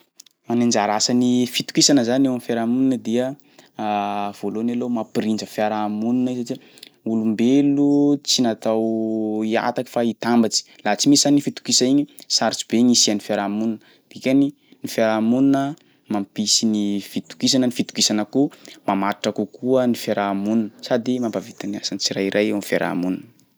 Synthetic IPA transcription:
manend͡ʒaɾasənifit̪u̥kisanəzanewamifeɾamuninəd̪iə | v̥olonalomapiɾind͡ʒəfjaɾamununaizaʈ͡ʂi | ulumbelut͡sinat̪awia̰t̪aki̥fait̪ambat͡si̥lat͡simiszanifit̪u̥kisaiɲisaɾit͡su̥b̥eŋisianifaɾamununə | d̪̥ikʲani | nifeɾamununə | mampisinifit̪u̥kis̬anənifit̪u̥kisanəkumamaɾiʈ͡ʂakukuənifeɾʔamununəsad̪imambavet̪ana̰sanit͡siɾajiɾʔajewanifeɾʔa̰mununə

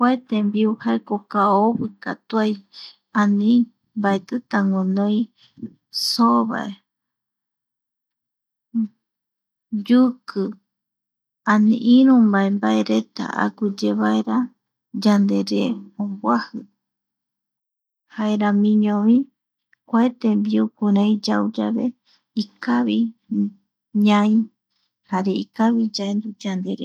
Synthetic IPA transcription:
kʷaet̪embiuhaekokaoβɨkat̪uaj | ãnĩ | mbaet̪ɨt̪aŋõnõĩ | soβa̰e | d͡ʒukɨ | ãnĩʔiɾũmbaembaeɾet̪a̰a̰kud͡ʒeβaeɾa | d͡ʒand̪e̞ɾeõmbwahɨ | haeɾamĩɲõβĩ | kʷaet̪embiukuɾãĩd͡ʒawd͡ʒaβe̞ | ikaβi | ɲãĩ | haɾe̞ikaβid͡ʒaend̪ud͡ʒand̪e̞ɾe

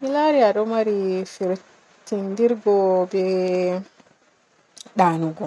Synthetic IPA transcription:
milaɾiaɗɔmaɾifiɾ | tindiɾɡɔbɛ | ɗaːnuɡɔ

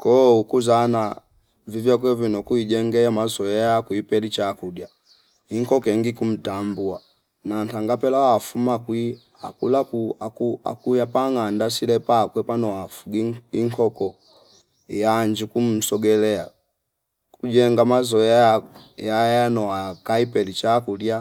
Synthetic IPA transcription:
kɔukuzana | vivjakwɛvinɔkuiɟɛŋɡɛamazɔajakuipɛlit͡ʃakudja | iŋkɔkɛŋɡikum̩tambua | nantaŋɡapɛlawafumakwi | a̰kulapuaua̰kujapaŋandasilɛpakwɛpanɔafuɡiiŋkʰɔkɔ | jaɲd͡ʒikum̩sɔɡɛlɛa | kuɟɛŋɡamazɔjajajajanɔakaipɛlit͡ʃakudja

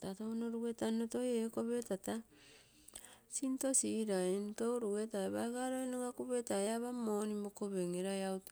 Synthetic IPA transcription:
tatonoɾuɡetanotojekoβetata | sinto̞siɾaentowɾuɡetaeβaɡaɾoinoɡakuβetajaβamoːnimokoβeŋeɾajawt

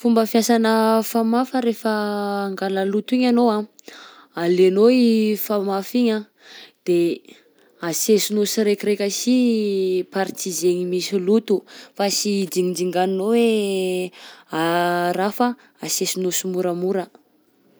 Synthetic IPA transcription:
fumbəfjasanəfamafəɾefəːŋɡaləlut̪uiɲanoa | alenoiifamafiɲa | d̪̥e | asesunusiɾekiɾekʲəsi | paɾt̪izeɲimisilut̪ufasidiŋind͡ʒiŋɡaninowe | aɾafə | asesinosumuɾəmuɾə

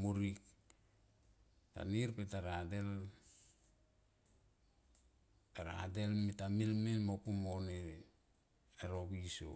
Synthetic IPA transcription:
muɾik | ta̰niɾpetaɾadel | aɾa̰delmitamilminmopumone | aɾokiso̰

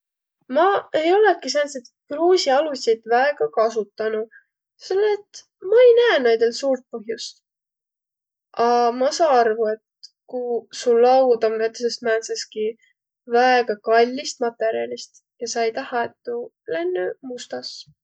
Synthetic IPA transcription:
mɑejo̞lekis̬ænset̪kruːsiɑlusʲid̪væeɡ̥ɑkɑsut̪ːˑɑnu | selːeet̪ː | mɑejnæenejd̪elsuːrt̪̚pɤɦjust̪ | ʔɑmɑsɑːɑrvue̞t̪ | kusullːɑwd̪omvet̪ːˑsesmæːnseski | væeɡ̥ɑkɑlʲːist̪mɑt̪ːˑe̞ɾjɑlʲist̪ | jɑsɑejt̪ɑhɑet̪ːu | le̞nːymust̪ɑs

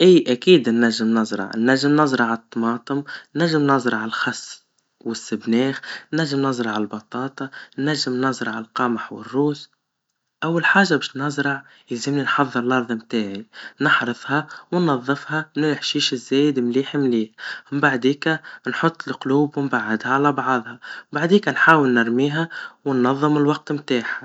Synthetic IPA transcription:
ʔiːʔækiːd̪nːæʒːɪmnɑzˤɾˤɑ̰ʕnːæʒːɪmnɑzˤɾˤɑʕat̪ˤːɑmɑːt̪ˤəmnːæʒːɪmnɑzˤɾˤɑʕalxɑsː | wɪsːɪbnɛːxnːæʒːɪmnɑzˤɾˤɑʕalbɑt̪ˤɑːt̪ˤɑnːæʒːɪmnɑzˤɾˤɑʕalqɑmaħwɪ̰rːuːs | ʔawːalħaːʒabæːʃnɑzˤɾˤɑʕ | jɪlzɪmninħɑðˤːɨɾlʔɑɾˤðˤmt̪aːʕinɑħɾɨfˤhɑwnːɑðˤːɨfhɑnɪlɪħʃiːʃɪzːeːjɪd̪mliːħimliːħmbaʕd̪iːkanħʊt̪ˤːɪlqluːbwɪmbaʕːɪd̪haʕalabʕɑðˤhɑbaʕd̪iːkanħaːwɪlnɪɾmiːɦawɪnːɑðˤːɨmɪlwɑq̚t̪mt̪aːħa

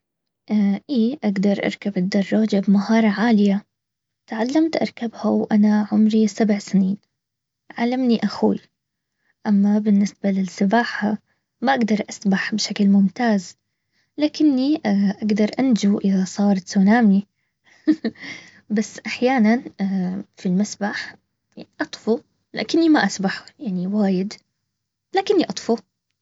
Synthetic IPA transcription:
ʔaʔiːʔaɡd̪ɑɾˤʔɑ̰ɾˤkabɪd̪ːɑrˤːɑːd͡ʒabmahɑːɾˤɑʕaːlɪja | t̪ʕalːamt̪ʔɑ̰ɾˤkabhawʔanaʕʊmɾisabʕsɪniːn | ʕalːamniʔaxṵːj | ʔamːabɪnːɪsbalɪsɪbaːħa | maʔaɡd̪ɑɾˤʔasbaħbɪʃaklmʊmt̪aːz | laːkɪnːiʔaɡd̪ɑɾˤʔand͡ʒuʔɪðasˤɑːɾˤt̪suːnaːmi | basːʔaħjaːnan | filmasbaħ | jaʕniʔɑt̪ˤfu | la̰ːkɪnːimaʔasbaħjaʕniwaːjɪd̪ | laːkɪnːiʔɑt̪ˤfu

